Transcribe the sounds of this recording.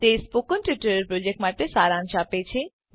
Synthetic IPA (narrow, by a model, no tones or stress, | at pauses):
t̪espukːonʈjuʈɐɾeɾpɾod͡ʑek̚ʈmaʈ̪esaɾanʃapet͡ɕʰi